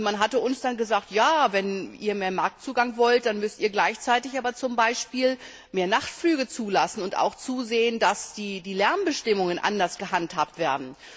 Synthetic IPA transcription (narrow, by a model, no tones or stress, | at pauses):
manɦatəʔʊnsd̥anɡəzaːk̚tjaːvɛnʔḭːɐmeːɐmaɐk̚t͡suːɡaŋvɔlt̚d̥anmʏstiːɐɡlaɪçt͡saɪtɪçʔaːbɐt͡sʊmbaɪʃpiːl | meːɐnaχtflyːɡət͡suːlasn̩ʊnta̰ʊxt͡suːzeːəndasd̥iːdiːlɛɐnbəʃtɪmʊŋənʔa̰ndɐsɡ̥əɦanthaːp̚tv̥eːɐdn̩